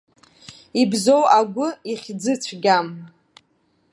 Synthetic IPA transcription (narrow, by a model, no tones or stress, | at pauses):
ibzo̞wʔaɡʷʊiχʲd͡zɨt͡ɕʷʰɡʲam